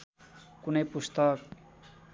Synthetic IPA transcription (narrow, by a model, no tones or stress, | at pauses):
kunejpust̪ʌk